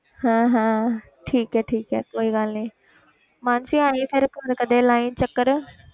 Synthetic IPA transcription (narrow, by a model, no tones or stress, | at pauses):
hãːɦãː | ʈʰiːkɦɛːʈʰiːkɛːkoːiɡaːlnĩː | mãːnsĩaːĩsʰɪɾkɐɾkɐd̪ẽlaːint͡ɕɐkəɾ